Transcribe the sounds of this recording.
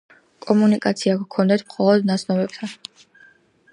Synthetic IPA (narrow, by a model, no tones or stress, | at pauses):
kʼɔmunikʼat̪sʰiakkʰɔnd̪ɛt̪ʰmχɔlˠɔd̪nat̪sʰnɔbɛp̚t̪ʰan